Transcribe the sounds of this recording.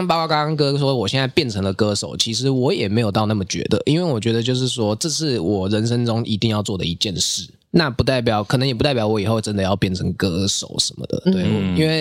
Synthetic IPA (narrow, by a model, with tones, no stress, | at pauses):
ŋpɑ˥˧kʷwɑ˥ka˥ŋkɤ˥ʂ̬wɔ˥d̪ə˨˩wɔ˨˩ɕjɛ˥˧nt͡sa˥˧ɪpjɛ˥˩nʈ͡ʂʰɤ˧˥ŋlə˨kɤ˥ʂo˨˩ʊt͡ɕʰi˧˥ʂɻ̩˧˥wɔ˧˥jɛ˨˩me˧˥ɪjt̪ɑ˥˧ʊna˥˩mə˩t͡ɕɥɛ̰˧˥d̪ə̰˧˨ʔi˥nwe˥˩ɪwɔ˨˩t͡ɕɥɛ˧˥d̪ə˧t͡ɕjo˥˧ʊʂ̬ɻ̩˥˩ʂwɔ˥ʈ͡ʂɤ˥˧ʂɻ̩˥˩wɔ˨˩ɻə˧˦˥nʂə˥ŋʈ͡ʂʊ˥ŋʔi˧˥t̪i˥˧ŋjɑ˥˧ʊt͡swɔ˥˩d̪ə̰˨˩i˧˥t͡ɕjɛ˥˧nʂɻ̩˥˩ | na˥˩pu˧˥t̪a˥˩ɪp̬jɑ˨˩ʊkʰɤ˨˩n˧˦ŋjɛ˨p̬u˥t̪pjɑ˧˥ʊwɔ˧˥i˨˩xo˥˩ʊʈ͡ʂə˥nd̪ə˨jɑ˥˧ʊpjɛ˥˩nʈ͡ʂʰɤ˧˥ŋkɤ˥ʂo˨˩ʊʂə˧˦nmə̰˧d̪ə̰˩t̪we˥˩ɪi˥nwe˥˩ɪ